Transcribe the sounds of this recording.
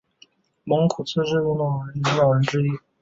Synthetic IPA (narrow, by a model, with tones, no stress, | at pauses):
mɤ˧˥ŋkʰu˨˩t͡sʰɤ˥˧ʈ͡ʂɻ̩˥˧u˥˩nɑ˨˩ɻə˧˥ni˧˥nɑ˨˩ʊɻə˧˥nʈ͡ʂɻ̩˥i˥